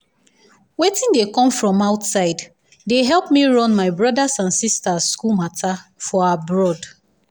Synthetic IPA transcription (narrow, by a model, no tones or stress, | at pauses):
wetɪ̃ndekɔ̃mfɹɔ̃maʊtsaɪd | deɦɛlˠpmiɹɔ̃nmaɪbɹɔdasãnsistaskulmatʰafɔabɹɔd